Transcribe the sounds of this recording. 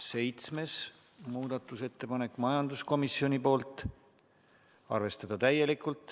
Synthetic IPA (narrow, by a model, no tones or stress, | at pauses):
se̞jt̪sme̞s | muːd̪̥ɑt̪ːˑuse̞t̪ːe̞pɑne̞kːˑmɑjɑnd̪usko̞misio̞nʲipo̞ːlt̪ˑ | ɑ̰rve̞st̪ɑd̪̥ɑt̪æje̞likult̪ːˑ